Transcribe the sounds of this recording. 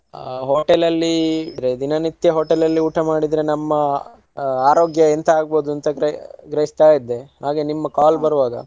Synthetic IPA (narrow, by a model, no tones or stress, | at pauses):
ɦoːʈelɐlːiɾe̞d̪inɐnit̪ːjɐɦoːʈelɐlːiuːʈʰɐmaːɽid̪ɾe̞nɐmːɐ | aːɾoːɡjɐint̪ʰɐaːɡboːd̪uɐnt̪ɐɡɾɐɡɾɐɦist̪aːjid̪ːe̞ɦaːɡe̞nimːɐkaːlbɐɾʋaːɡɐ̰